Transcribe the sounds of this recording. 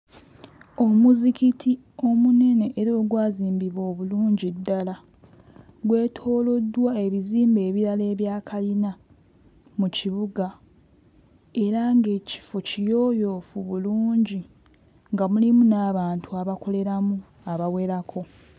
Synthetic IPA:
o̞muzikitʰi | o̞mune̞ne̞ʔːɾo̞ːɡwaːziːmbiβo̞ːβuluːɲɟidːala | ɡwe̞ːtʰo̞ːlo̞dːwae̞βiziːmbe̞ːβiɾale̞ːβjaːkʰalina | muciβuɡa | e̞ɾaŋɡe̞ːci̥focijo̞ːjo̞ːfuβuluːɲɟi | ŋɡamulimunaːβaːntʰuaβako̞le̞ɾamu | aβawe̞ɾakʰo̞

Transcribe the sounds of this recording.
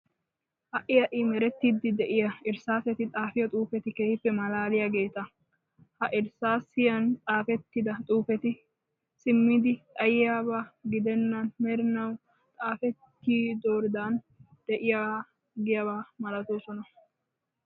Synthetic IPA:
hɐʔɪjɐʔɪmɛɾɛt̪ːiːd̪ɪd̪ɛʔɪjɐɪɾsaːsɛt̪ɪt̪ʼaːfɪjɔt̪ʼuːfɛt̪ɪke̞ːhɪfːɛmɐlaːlɪjaɡe̞ːt̪ɐ | hɐʔɪɾsaːsɪjɐnt̪ʼaːfɛt̪ːɪd̪ɐt̪ʼuːfɛt̪ɪ | sɪmːɪd̪ɪt̪ʼɐjɪjaːbaɡɪd̪ɛnːɐnmɛɾɪnɐw | t̪ʼaːfɛt̪ːiːd̪o̞ːɾɪd̪an | d̪̥ɛʔɪja | ɡɪjaːβaːmɐlɐt̪oːsɔnɐ

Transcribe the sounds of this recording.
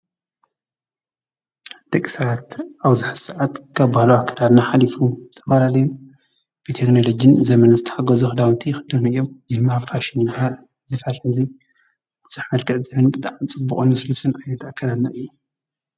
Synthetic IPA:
d̪̥ɐkʼisawat̪aβzɨħɨssaʕat̪kʰaβbahlowakʰːad̪ad̪naħalifuzɨ̥t̪ʰɐfɐlalɐju | b̥ɨt̪ʰekno̞lo̞d͡ʒɪnzɐmɐnazɨt̪ʰɐħaɡɐzuxɨd̪awnt̪ʰijɪxɨd̪ɨmuɨjːo̞mzɪmahafaʃɪnjɨbahal | zɨfaʃɐzi | b̥ɨz̥ɨħmɐlkʰɐʔzɨhɨnbɨt̪ʼaʕmit͡sʼɨbːukʼnːusɨlusɨnʕajnɐt̪akʰːɐlad̪naɨjːu

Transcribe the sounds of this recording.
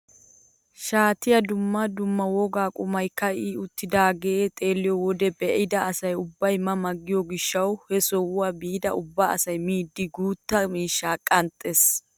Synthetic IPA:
ʃaːt̪ɪjɐd̪ʊmːɐd̪ʊmːɐwɔɡaːkʼʊmɐjkːɐiʊt̪ːɪd̪aːɡeːt̪ʼe̞ːlːɪjɔwɔd̪ɛbɛʔɪd̪ɐːsɐjʊbːɐjmɐmɐɡːɪjɔɡɪʃːɐwhɛsɔwʊaːbiːd̪ɐʊbːaɐ̰sɐjmiːd̪ːɪɡuːt̪ːɐmiːʃːaːkʼɐnt̪ʼːes

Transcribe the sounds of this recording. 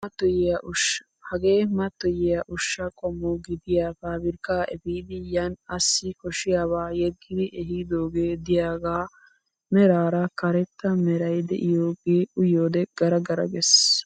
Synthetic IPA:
mɐt̪ːɔjɛjɐʔʊʃ | hɐɡeːmɐt̪ːɔjɪjɐʔʊʃːɐkʼɔmːɔɡɪd̪ɪjaːfaːbɪɾkaːʔɛfiːd̪ɪjɐnɐsːɪkɔʃɪjaːβaːjɛɡːɪd̪ɪʔɛɦid̪oːɡeːd̪ɪjaːɡaː | mɛɾaːɾɐkɐɾɛt̪ːɐmɛɾɐjd̪ɛ̰ʔɪjoːɡeːʊjoːd̪ɛɡ̥ɐɾɐɡɐɾɐ̰ɡɛs

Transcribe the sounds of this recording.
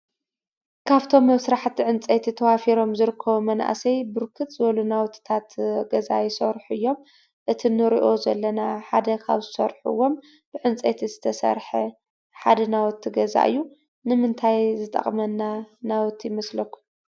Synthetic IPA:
kʰaβt̪ʰo̞mːɐβsɨɾaħt̪ʰːiʕɨnt͡sʼet̪ʰit̪ʰɐwafiɾo̞mzɨɾɨkʰːɐβumɐnʔa̰sɐjbɨɾkʰɨt̪zɨβɐlunawɔt̪ʰt̪ʰat̪ɡɐza̰jɪsɐɾħuɨjːo̞m | ʔɨt̪ʰinɨɾiʔo̞zɐlːɐnaħad̪ɐkʰa̰βzɨsɐ̰ɾħṵwːo̞m | b̥ɨʕɨnt͡sʼet̪ʰizɨt̪ʰɐsɐ̰ɾħɐ | ħad̪ɐnawɔt̪ʰːiɡɐza̰ʔɨ̰jːu | nɨmɨnt̪ʰajzɨt̪ʼɐ̰χʼmɐnːanawɔt̪ʰːjɪmɐslɐkʰːu̥

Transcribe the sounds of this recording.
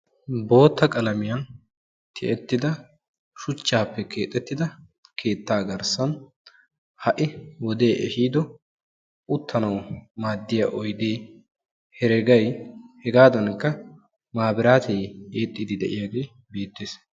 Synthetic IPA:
bo̞ːt̪ːɐkʼɐlɐmɪjɐn | t̪ʰɪ̰ʔɛt̪ːɪd̪ɐ | ʃʊt͡ʃːaːpːɛkʰe̞ːt̪ʼːɛt̪ːɪd̪ɐ | kʰe̞ːt̪ːaːɡɐɾsɐn | hɐʔɪwɔd̪e̞ːʔɛ̰ʃiːd̪ɔ | ʔʊt̪ʰːɐnɐwmaːd̪ːɪjaːʔɔjd̪eː | hɛɾɛɡɐjhɛɡaːd̪ɐnkːɐ | maːbɪɾaːt̪ʰejeːt̪ʼːid̪ɪd̪ɛʔɪjaːɡe̞ː | be̞ːt̪ːeːs

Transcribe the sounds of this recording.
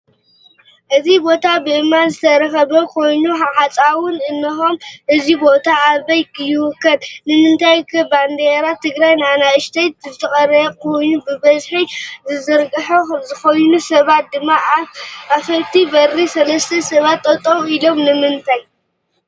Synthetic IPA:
ʔɨzʰibo̞t̪ʰabɨʔɨmːanzɨt̪ʰɐɾɐxɐβɐkʰo̞jnuħaħat͡sʼawʊnɨnːɐxo̞mʔɨzibo̞t̪ʰaːɐjkjɪwʊkːɐd̪nɨmɨnt̪ʰajkʰɐband̪eɾat̪ʰɨɡɾajnanajɨʃt̪ʰɐjt̪zɨt̪ʰɐxʼɐɾɐkʰo̞jnubɨbɐzħizɨzɨɾɡʼɨħokɐmzɨxojnusɐβat̪̚d̪ɨmːaʔʔafɐlt̪ʰibɐrisɐlɐst̪ʰɐsɐβat̪ːʼɐt̪ʼoilo̞mnɨmɨnt̪ʰaj

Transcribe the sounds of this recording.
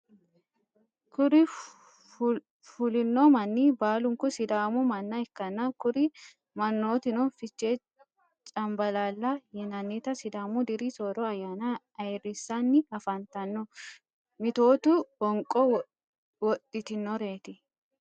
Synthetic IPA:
kʊɾɪ | fʊlɪnːomɐnːiːbaːlʊŋkʊsɪd̪aːmʊmɐnːɐɛkːɐnːankʊɾɪ | mɐnːoːt̪ɪnɔnfɪt͡ʃːe | t͡ʃʼɐmbɐlaːlːɐjɛnɐnːiːt̪ɐsɪd̪aːmʊd̪ɪɾiːsoɾɔɐjːana | ɐjrɪsːanːɪɐfɐnt̪ɐnːɔ | mɪt̪o̞ːt̪uwɔŋkʼɔ | wɔt̪ʼːɪt̪ɪnːɔɾe̞ːt̪ɪ

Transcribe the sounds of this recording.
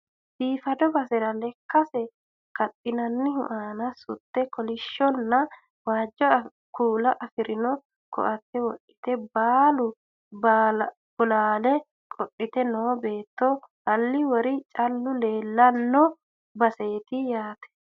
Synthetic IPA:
biːfɐd̪ɔbɐsɛɾɐlɛkːɐsɛ | kɐtʼːɪnɐnːɪhʊ̰ʔaːnɐsʊt̪ːɛkɔlɪʃːɔnːɐ | waːd͡ʒːɔ | kuːlɐʔɐfɪɾɪnɔ | kʰɔ̰ʔɐt̪ːɛwɔʔɪ̥t̪ɛbaːlʊ | ba | bʊlaːlɛ | kʼɔʔːɪt̪ɛnoːbe̞ːt̪ːɔhɐlːɪwɔɾɪt͡ʃʼɐlːʊle̞ːlːɐnːɔ | bɐse̞ːt̪ɪjaːt̪ɛ̥

